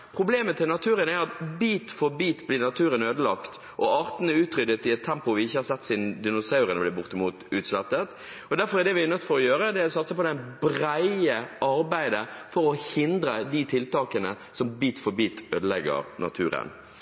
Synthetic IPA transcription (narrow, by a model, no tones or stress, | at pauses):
pʰɾʊbleːmət̪ʰɪlnɑt̪ʰʉːɾənæɾɑt̪biːt̪fɔɾbiːt̪blɪnɑt̪ʰʉːɾənøːd̪əlɑkt̪ | ʔɔʔɑːɾt̪n̩əʉːt̪ɾʏd̪ət̪ɪɛt̪ʰːɛmpʊʋɪɪçːəhɑɾsɛt̪ːsiːnd̪ɪnʊsɑʉɾənɔblɪbʊɾt̪əmuːt̪ʉːt̪slɛt̪ːət̪ | ɔd̪æɾfɔɾɛd̪ɛʋɪnœt̪ːfɔɾɔjøːɾəd̪ɛsɑt̪ːsəpɔd̪ɛnbɾæɪəʔɑɾbæɪd̪əfɔɾɔhɪnd̪ɾəd̪ɪt̪ʰɪlt̪ɑːkənə | sɔmbiːt̪fɔɾbiːt̪øːd̪əlɛɡə̰ɾnʔɑ̰t̪ʰʉ̰ːɾə̰n